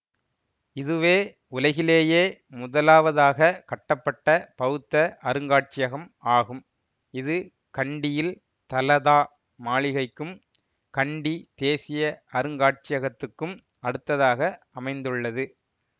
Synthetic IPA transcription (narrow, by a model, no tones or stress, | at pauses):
ɪðɯʋeː | ʊlɐɣɪleːjeːmʊðɐlaːʋɐðaːɣɐkɐʈːɐpːɐʈːɐpɐɣɯt̪ːɐʔɐɾɯŋɡaːʈ̚t͡ʃɪjɐɣɐmaːɣɯm | ɪðɯ | kɐɳɖɪjɪl | t̪ɐlɐðaː | maːɭɪɣɐɪkːɯm | kɐɳɖit̪eːsɪjɐɐɾɯŋɡaːʈ̚t͡ʃɪjɐɣɐt̪ːɯkːɯm | ɐɽɯt̪ːɐðaːɣɐ | ɐmɐɪnd̪ɯɭːɐðɯ